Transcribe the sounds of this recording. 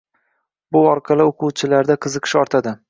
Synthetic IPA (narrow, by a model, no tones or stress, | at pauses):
bʊɒɾqʰɑlˠɪoqʰuwt͡ʃʰɪlaɾd̪aqʰɨzɨqʰɨ̥ʃɒɾt̪ʰad̪ɪ